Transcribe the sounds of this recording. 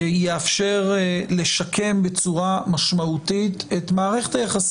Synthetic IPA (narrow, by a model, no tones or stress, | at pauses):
jeafʃeʁle̞ʃakʰe̞mbe̞t͡suʁamaʃmaut̪it̪et̪maːʁeχe̞t̪ajaχas